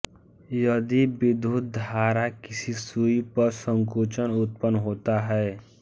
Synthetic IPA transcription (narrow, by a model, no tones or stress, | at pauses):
jəd̪ibɪd̪ʱut̪̚d̪ʱaːɾakɪsisuipəɾsə̃ŋkuːt͡ʃənʊt̪̚pənɦoːt̪aɦɛː